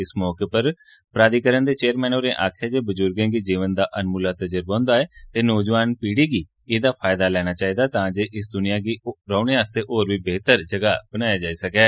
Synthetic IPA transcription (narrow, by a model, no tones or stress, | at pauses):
ɪsmɔːkeːpəɾ | pəɾaːd̪iːkəɾənd̪eːt͡ʃeːəɾmɛ̃ːnoːɾẽːʔa̰ːkʰɛːd͡ʒeːbəzʊɾɡẽːɡid͡ʒiːʋənd̪aːʔənmuːlaːt̪əd͡ʒəɾbãːnd̪aːɛːt̪eːnɔːd͡ʒʋaːnpiːɽiːɡiː | eːd̪aːpʰaːjd̪aːlɛːñaːt͡ʃaːiːd̪aːt̪ãːd͡ʒeːʔɪsd̪ʊnɪjãːɡiɾaːʊnẽːaːst̪eːʔoːɾʋiːbeːt̪əɾd͡ʒəɡaːbənaːjaːd͡ʒaːiːsəkɛː